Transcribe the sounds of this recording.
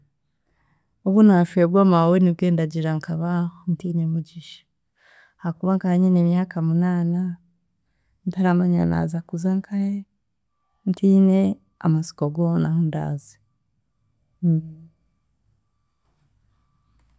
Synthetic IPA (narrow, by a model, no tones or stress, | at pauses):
uβunaʃuebɡwamaweniβɡe̞ːndaɟiɾaŋkaβahntiːɲemuɟiʃḁ | hakuβaŋkahaɲinemjaːkamunaːna | ntaɾamaɲa̰na̰ːzakuzaŋkʰahe | ntine | a̰masi̥koɡonahonda̰ːze̥